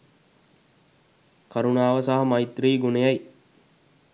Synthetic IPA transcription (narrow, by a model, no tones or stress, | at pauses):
kaɾunaːʋəsaɦɐmɐjt̪ɾiːɡunejaj